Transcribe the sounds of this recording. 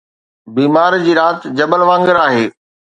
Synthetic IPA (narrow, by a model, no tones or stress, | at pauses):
biːmaːɾd͡ʑiːɾaːt̪d͡ʑɐbəlʋãːŋɡəɾaːɦeː